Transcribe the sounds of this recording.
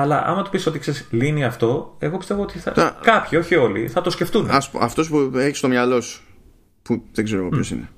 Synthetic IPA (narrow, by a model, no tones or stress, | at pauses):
ɐlɐ̰ʔɐ̰mɐt̪opiso̞t̪ikseɾsliniɐft̪o̞e̞ɣo̞pist̪evoot̪iθɐ̰kɐpçio̞çio̞lḭθɐt̪o̞sce̞ft̪unɐspoɐft̪o̞spueçi̥st̪o̞mɲɐlo̞s | puðeɡzeɾoɣoço̞sḭne